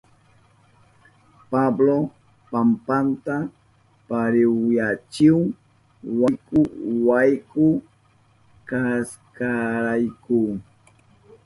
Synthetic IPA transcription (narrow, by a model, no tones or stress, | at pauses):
pablo | pampant̪a | paɾɪwjat͡ʃɪw | wajkʊwajkʊ | kas | kaɾajkʊ